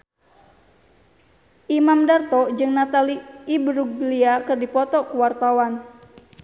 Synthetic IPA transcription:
ʔimamdart̪ɔd͡ʒɨŋnat̪aliːbɾuɡliakɨrdipɔt̪ɔkuwart̪awan

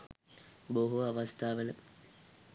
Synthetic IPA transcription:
boɦuaʋɐst̪ʰaːʋələ

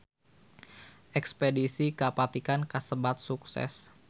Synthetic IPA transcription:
ʔɛkspedisikapat̪ikankəsəbat̪̚suksɛ̰s

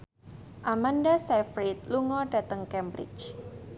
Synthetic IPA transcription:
ʔamandasɛfɾit̪̚luŋɔdat̪əŋkɛmbɾɪ̰t͡ʃ

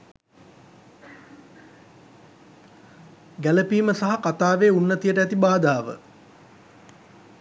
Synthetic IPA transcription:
ɡæləpiːməsaɦakat̪aːʋeːunːət̪ijəʈəæt̪ibaːd̪aːʋə̰

